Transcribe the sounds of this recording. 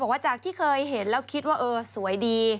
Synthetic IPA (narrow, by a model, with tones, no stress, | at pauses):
ɔː˨˩kwaː˥˩t͡ɕaː˨˩k̚t̪ʰiː˥˩kʰɤː˧jɦe˩˦nlɛː˦˥˩wkʰi˦˥t̪̚waː˥˩ʔɤː˧su˨˩˦əjdiː˧